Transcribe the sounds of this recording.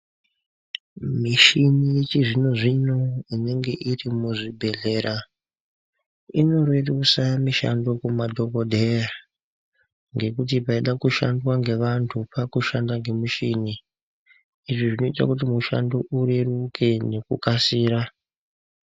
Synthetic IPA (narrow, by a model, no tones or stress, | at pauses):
miʃinit͡ʃiʐinoʐino̞ine̞ŋɡe̞ʔirimuʐibʱe̞ɮe̞ːɾa | ino̞rwerusamiʃa̰ndo̞kumadʱo̞kodʱeja | ŋɡe̞kut̬ipaiɗakuʃandwaŋɡe̞ʋantʰupakuʃandaŋɡe̞muʃini | ʐiʐino̞ita̰kutimuʃa̰ndo̞ʔuɾerukʰe̞ne̞kṵkasiːɾa